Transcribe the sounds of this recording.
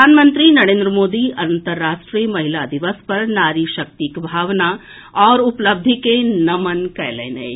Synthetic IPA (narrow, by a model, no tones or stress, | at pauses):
aːnmə̃nt̪ɾinɐɾẽːnd̪ɾəmoːd̪iɐnt̪əɾːaːʃʈɾijmɐɦɪlad̪iʋəspɐɾnaːɾiːʃɐk̚t̪ikbʱaːʋna | ɔːɾʊpləb̚d̪ʱikenɐmənkɛjlḛːnḛj